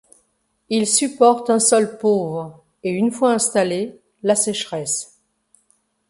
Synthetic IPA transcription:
ilsypɔʁt̪ɛ̃sɔlpovʁ | eynfwaɛ̃st̪ale | lasɛʃχɛs

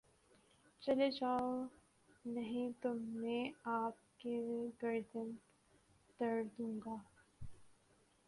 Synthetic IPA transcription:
t͡ʃɐled͡ʒaːo | nɐɦĩt̪ʊmːẽaːp̚keɡɐɾd͡ʒə̃nt̪ | t̪ɐɾd̪ũːŋɡaː

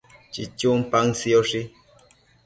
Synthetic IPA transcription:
t͡ʃḭt͡ʃumpaŋsioʂi

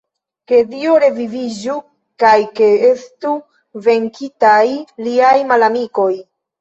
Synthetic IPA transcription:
ke̞dioɾe̞vivid͡ʒu | kajke̞e̞stu | ve̞ŋkitajliajmalamiko̞j

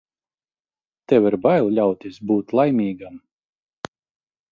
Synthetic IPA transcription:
t̪ɛviɾbajlˠlʲawt̪ʲisbuːt̪lˠajmʲiːɡam

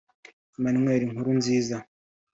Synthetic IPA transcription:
manimweːɾiŋuɾunziːza

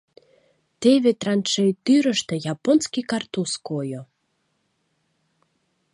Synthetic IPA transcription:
t̪eβet̪rɑnʃejt̪yɾəʃt̪ĕjɑponskikɑrt̪uskojo

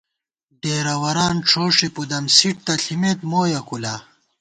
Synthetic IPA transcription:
ɖeːɾɐwɐɾaːnʈ͡ʂʰoːʂipud̪ɐmsiʈ̚t̪ɐɬimet̪moːjɐkulaː

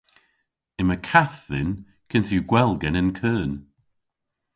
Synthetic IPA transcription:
ɪməkʰaθðɪ̰n | kʰɪntʰjuɡwɛlˠɡɛnənkʰəːn

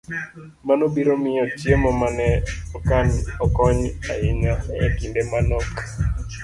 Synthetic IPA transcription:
manobiɾomɪjɔt͡ʃjemɔmanɛɔkanɔkɔɲa̰ɪɲaɛ̰kindemanɔk

